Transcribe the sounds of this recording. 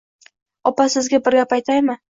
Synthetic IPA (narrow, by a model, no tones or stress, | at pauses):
ɒpasɪzɡʲabɪɾɡʲapajt̪ʰajmɪ